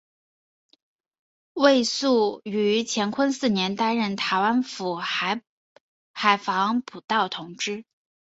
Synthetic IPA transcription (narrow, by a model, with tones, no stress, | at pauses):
we˥˧ɪsu˥˩y˧˥t͡ɕʰjɛ˧˥nkʰə˥nsɹ̩˥˩njɛ˧˥nt̪a˥nɻə˥˩nt̪ʰa˧˥ɪwa˥nfu˨˩˧ | xa˨˩ɪfɑ˧˥ŋpʰu˨˩t̪ɑ˥˩ʊt̪ʰʊ˧˥ŋʈ͡ʂɻ̩˥